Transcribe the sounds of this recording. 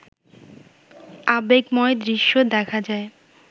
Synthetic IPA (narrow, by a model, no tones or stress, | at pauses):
abeɡmɔed̪ɾiʃːod̪ɛkʰad͡ʑae